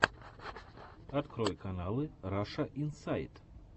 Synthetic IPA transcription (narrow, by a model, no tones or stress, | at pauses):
at̪kɾɔjkanalˠɨɾaʂɐʔinsajt̪